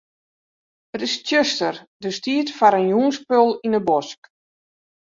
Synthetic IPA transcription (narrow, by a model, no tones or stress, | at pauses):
ətɪstjøstərdəstiːətfaɾənjuːənspølˠinəbɔsk